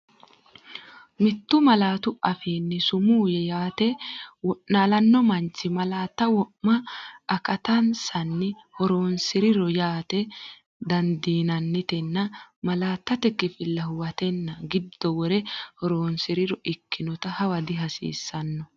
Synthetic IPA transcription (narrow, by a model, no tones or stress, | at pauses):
mɪt̪ːʊmɐlaːt̪ʊʔɐfiːnːɪsʊmuːjɛjaːt̪ɛwɔʔnaːlɐnːɔmɐnt͡ʃːɪmɐlaːt̪ːɐwɔʔmɐʔːkɐt̪ɐnsɐnːɪhɔɾoːnsɪɾɪɾɔjaːt̪ɛ | d̪ɐnd̪iːnɐnːɪt̪ɛnːɐmɐlaːt̪ːɐt̪ɛkːɪfɪlːɐhʊwɐt̪ɛnːɐɡɪd̪ːɔwɔɾɛhɔɾoːnsɪɾɪɾɔʔɪkːɪnɔt̪ɐhɐwɐd̪ɪɦɐsḭːsːɐnːɔ